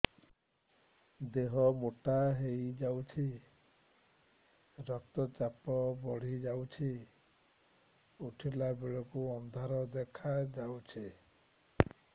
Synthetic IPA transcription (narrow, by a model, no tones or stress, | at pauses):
d̪eɦɔmoʈaɦejd͡ʒawt͡ʃʰi | ɾɔk̚t̪ɔt͡ʃapɔbɔɽ̤id͡ʒawt͡ʃʰi | uʈʰilabeɭɔkuɔnd̪ʱaɾɔd̪ekʰad͡ʒawt͡ʃʰi